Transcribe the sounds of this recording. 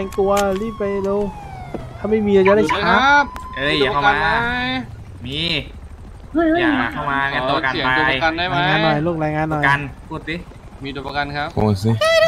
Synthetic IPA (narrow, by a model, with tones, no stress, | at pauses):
ɛ˧ŋk̪u˧ɐliː˥˩pːa˧jle˧w | t̪ʰa˧˥mːa˥˩jmiː˧a˧˩t͡ɕa˧˦ɾa˥˩t͡ɕʰa˦˥˦p̚ɤ˧˩˨a˧a˧ | miː˧ | ɯ˧˥˩jɯ˧kʰa˧˩maː˧a˧d̪u˧a˧˩a˧ka˧ndaː˥˩jɾaː˦˧jŋaː˧nːɔ˨˩jloː˥˩k̚ɾaː˧jŋaː˧nːɔ˨˩a˧n | uː˧˥˩t̪̚ːi˦˥ | mi˧d̪u˧˩pa˧ka˧nkʰa˦˥p̚o˧˩si˧